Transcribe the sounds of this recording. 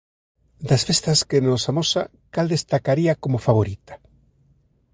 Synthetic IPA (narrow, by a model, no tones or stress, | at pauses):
d̪asfest̪askenosamosa̰ | kald̪est̪akaɾiakomofaβoɾit̪ḁ